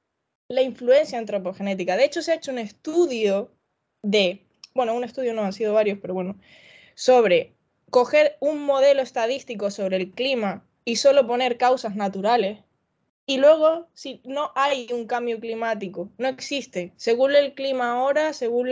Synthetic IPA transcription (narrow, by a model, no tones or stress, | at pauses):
laiɱflue̞nsjaent̪ɾo̞po̞xe̞ne̞t̪̬ikaðe̞et͡ʃo̞seaet͡ʃoune̞st̪uðjo | ðe̞ | bwe̞noune̞st̪uðjonoansið̞o̞β̞aɾjo̞spe̞ɾo̞βwe̞no | so̞βɾe̞ | ko̞xe̞ɾuŋmo̞ð̞e̞loe̞st̪aðist̪iko̞so̞βɾelklima | iso̞lo̞po̞ne̞ɾkawsaznat̪uɾale̞s | ilwe̞ɣ̞o̞sino̞ʔajuŋkambjoklimat̪̬ikono̞eksist̪e̞se̞ɣune̞lklimaːoɾase̞ɣ̞un